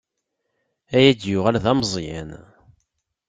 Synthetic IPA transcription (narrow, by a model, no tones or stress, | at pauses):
æjæd̪jʊʁælðɑmzˤjæ̰n